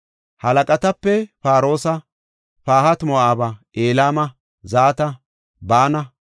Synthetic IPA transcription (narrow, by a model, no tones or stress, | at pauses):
hɐlɐkʼɐt̪ɐpːɛpaːɾo̞ːsɐ | paːhɐt̪mɔʔaːbɐ | eːlaːmɐ | zaːt̪ɐ | baːnɐ